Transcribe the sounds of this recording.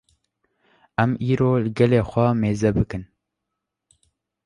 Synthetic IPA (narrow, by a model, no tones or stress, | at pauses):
æmiːɾoːlɨɡɛleːxʷɛmeːzɛbɨkɨn